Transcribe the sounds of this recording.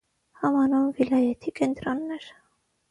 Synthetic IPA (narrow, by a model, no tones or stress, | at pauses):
hɑmɑnɔmvilɑjɛt̪ʰikɛnt̪ɾɔnːɛɾ